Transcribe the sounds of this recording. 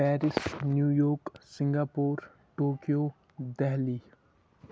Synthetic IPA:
pɛːɾɪsnjuːjoːksɪ̃ŋɡaːpoːɾ | ʈoːkijoː | d̪ɛɦliː

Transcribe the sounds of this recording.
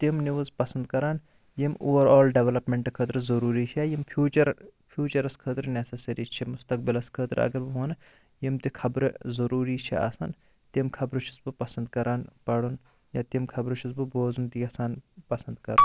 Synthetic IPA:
t̪imniʋɐzpɐsɐnd̪kɐɾaːn | jimoːʋɐɾaːlɖeʋɐlɐpmeɳʈɨkʰət̪ɾɨzɐɾuːɾiːt͡ʃʰiajimpʰjuːt͡ʃɐɾpʰjuːt͡ʃɐɾɐskʰəːt̪ɾnesɐsɐɾit͡ʃʰimʊst̪ɐk̚bilɐskʰəːt̪ɾɐ̰ɡɐɾbɨɦoːn | jimt̪ikʰɐbɾɨzɐɾuːɾiːt͡ʃʰḭa̰sɐ̰n | t̪imkʰɐbɾut͡ʃʰi̥sbɨpɐsɐnd̪kɐɾaːnpɐɽun | jaːt̪imkʰɐbɾut͡ʃʰisbɨboːzunt̪iɐsaːnpɐsɐnd̪kɐɾun

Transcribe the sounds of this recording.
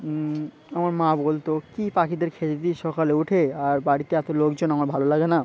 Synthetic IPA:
amaɾmãbolt̪okipakid̪eɾkʰet̪et̪iʃɔkaleuʈʰeaɾbaɽit̪eɛt̪olokd͡ʑonamaɾbʱalolaɡena

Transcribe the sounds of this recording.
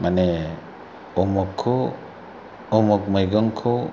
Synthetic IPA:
mane | ɔmɔkʰːo | ɔmɔk̚majɡɔŋkʰo

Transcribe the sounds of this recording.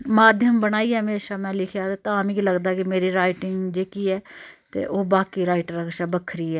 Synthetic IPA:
maːd̪ʱjəmbəñaːiːɛːɦəmeːʃaːmɛ̃ːlɪkʰjaːd̪aːt̪aːmĩːkiləɡd̪aːkɪmeːɾiːɾaːɪʈɪŋɡd͡ʒeːkiːɛːt̪ḛːʔoːbaːkiːɾaːɪʈɾəkʃaːbəkʰːɾiːɛː

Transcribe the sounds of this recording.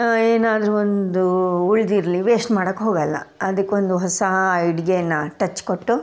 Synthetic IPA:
eːnaːd̪ɾuond̪uuɭd̪iɾliʋeːsʈmaːɽɐkːɦoːɡɐlːɐ̰ɐd̪ɐkːeond̪uɦɔsɐjiɖɡejɐnːɐʈɐt͡ʃːkoʈːu

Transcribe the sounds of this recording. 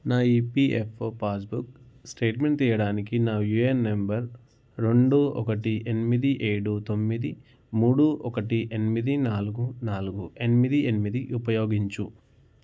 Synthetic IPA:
naːiːpiepʰoːpaːs̬buk | sʈeːʈme̞ɳʈt̪iːjɐɽaːnikinaːjuenːembɐɾ | ɾe̞ɳɖuɔ̰kɐʈienimid̪iʔeːɽut̪o̞mːid̪i | muːɽuʔɔkɐʈiʔe̞nimid̪inaːluɡunaːluɡue̞nimid̪ienimid̪iʔupɐjo̞ːɡiɲt͡ʃu

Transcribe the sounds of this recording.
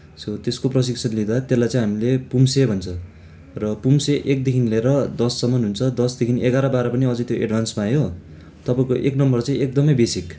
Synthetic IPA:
sʌt̪eskoprʌs̬iksʰʌnlid̪at̪elːajt͡saĩj̃ɦamilepumsebʱʌnt͡sʰʌ | rʌpumseʔek̚d̪ekʰinileɾʌd̪ʌsːʌmʌnɦunt͡sʰʌd̪ʌsd̪ekʰiniʔeɡaɾʌbaɾʌpʌniʌd͡zʌjt̪joʔḛɖbʱansmajo | t̪ʌpaĩkoʔeknʌmbʌrt͡sãĩek̚d̪ʌmʌjbesik

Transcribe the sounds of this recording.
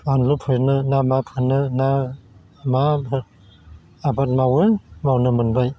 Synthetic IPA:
anlupʰɯjnɯnamapʰɯnɯna | mabɯ | abat̚mawɯmawnɯmɯnbaj

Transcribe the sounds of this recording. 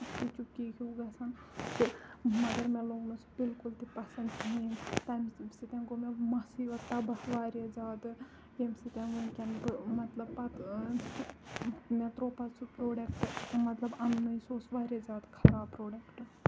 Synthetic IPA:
t̪it͡ʃup̚kikʰiuɡɐsʰɐnt̪imɐɡ̪ɐɾmeloɡnusʰbilkult̪ipɐsɐntɦiːnt̪ajmsit̪enɡomemɐsiʋɐt̪ːɐbɐsʋaːɾed͡zaːd̪ | jemsit̪enɡunkʲenkmɐt̪lɐbpɐt̪ | met̪ɾoːpɐt̪t͡sʰupɾoːɖekʈmɐt̪lɐbɐnːɨjsoːsʋaːɾed͡ʒaːt̪kʰɐ̥laːpɾoːɖekʈ

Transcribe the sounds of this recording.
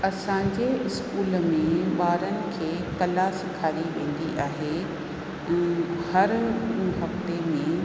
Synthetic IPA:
ɐsãːɲd͡ʑeɪskuːlmẽʋaːɾənɪ̆kʰeːkɐlasɪkʰaːɾiʋẽːn̆d̪iʔaːɦe | ɛ̃ːhɐɾɦɐft̪emẽ

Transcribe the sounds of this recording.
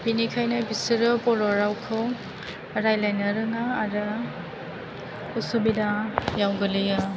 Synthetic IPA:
binikʰajnabisɯɾɯpɔɾɔɾawkʰɯw | ɾajlajnaɾɯŋaːɾɯ | usubidajawɡɯlɯja

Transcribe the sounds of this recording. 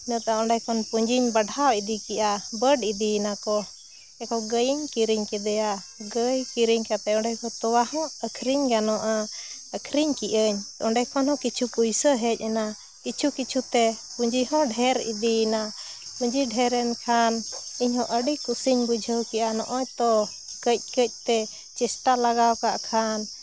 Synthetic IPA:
inɔt̪aɔ̃ɖɛjkɔnpuɲd͡ʒiɲbəɖawid̪ikɛʔabəɖid̪inakɔ | ɛkɔɡəjiɲkiɾiɲkɛd̪ɛja | ɡəjkiɾiɲkat̪ɛɔ̃ɳɖɛjkɔt̪ɔwahɔ̃əkʰɾiɲɡanɔʔaəkʰɾiɲkiʔəɲɔɳɖɛjkʰɔnhɔ̃kit͡ʃʰupujsəɦɛc̚ˀɛna | kit͡ʃʰukit͡ʃʰut̪ɛpuɲd͡ʒiɦɔ̃ɖʱɛɾḭd̪ina | puɲd͡ʒiɖʱɛɾɛnkʰaniɲhɔ̃ʔəɖikusiɲbud͡ʒʱəwkɛʔanɔ̰ʔɔɲt̪ɔ | kəc̚ˀkəc̚ˀt̪ɛ | t͡ʃisʈalaɡawkaʔkʰan

